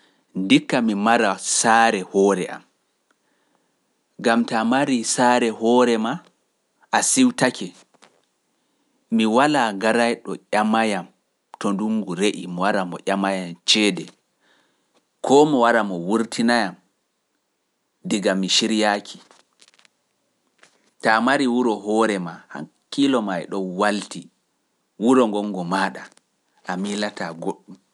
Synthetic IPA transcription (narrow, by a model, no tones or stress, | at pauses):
ndikːamimaɾasaːɾɛhɔːɾɛ̰ʔa̰m | ɡamtamaɾisaɾɛhɔːɾɛma | ʔasiwtakʰɛ | miwalaɡaɾajɗɔ̰ʔʲamajam | tɔnduŋɡuɾeʔimɔwaɾamɔ̰ʔʲamajamt͡ʃɛːdɛ | kʰɔmɔwaɾamɔwuɾtʰinajam | diɡamːiʃiɾjakʰi̥ | tamaɾiwuɾɔɦɔɾɛmaha̰kːilɔmajɗɔnwalti | wuɾɔŋɡɔŋɡɔmaɗa | ʔamilataɡoɗːum